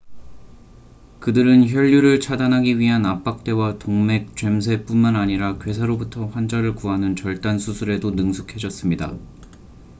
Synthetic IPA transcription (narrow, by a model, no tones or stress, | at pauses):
kɯdɯɾɯnçjʌʎːuɾɯɭt͡ɕʰadanɦaɡiɥiɦanap͈ak̚t͈e̞watoŋme̞k̚t͡ɕɥe̞ms̬ʰe̞p͈unmanaɲiɾakɥwe̞s̬ʰaɾobutʰʌɸwand͡ʑaɾɯɭkuɦanɯnt͡ɕʌɭt͈ansʰusʰuɾe̞donɯŋsʰu̥kʰe̞d͡ʑʌs͈ɯmɲida̰